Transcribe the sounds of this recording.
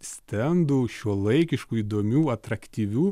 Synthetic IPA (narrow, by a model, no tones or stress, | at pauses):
sʲt̪ʲɛnd̪uːʃʲuɔlˠɐɪkʲɪʃkuːiːd̪oːmʲuːɐt̪ɾɐkt̪ʲiːʋʲuː